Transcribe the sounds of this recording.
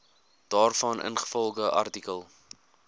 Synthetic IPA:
d̥ɑːrfɐnʔə̰nχə̥fɔlˠχəʔɐ̰rtikəlˠ

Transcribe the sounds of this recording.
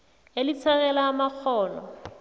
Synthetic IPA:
elit͡sʰaɣɛlaːmak͡xʰɔːlɔ̰

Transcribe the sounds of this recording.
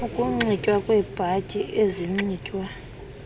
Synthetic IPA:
ukʼuŋ͡ǀicʼwakʼwɛb̥ʱacʼiʔeziŋ͡ǀiːcʼwa

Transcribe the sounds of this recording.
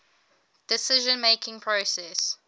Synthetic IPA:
d̥ɪsɪʒə̃nmeɪkʰɪ̃ŋpʰɹosɛs

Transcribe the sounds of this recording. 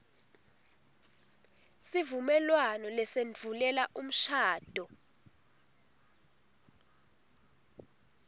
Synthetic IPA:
sivumɛlwanɔlɛsend͡vʱulɛlaʔum̩ʃaːd̥ʱɔ

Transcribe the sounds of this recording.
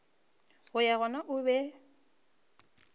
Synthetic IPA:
ɣʊjaɣɔnaʔʊbɛ

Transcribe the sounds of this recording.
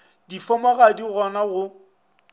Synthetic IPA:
difɔmaɣadiɣɔnaɣʊ

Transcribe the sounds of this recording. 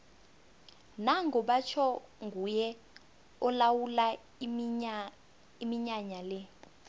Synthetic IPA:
naŋɡɔɓat͡ʃʰɔŋɡʱujɛ | ɔlawula | imiɲaɲalɛ

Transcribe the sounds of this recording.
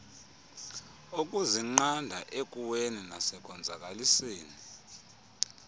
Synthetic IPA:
uk̬ʼuziŋ͡ǃandʱaʔek̬ʼuweninasɛk̬ʼɔnd͡zʱak̬ʼaliseːni

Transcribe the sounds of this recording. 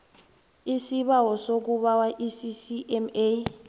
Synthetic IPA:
isiɓawɔsok̬uɓawaʔisisiʔɛme

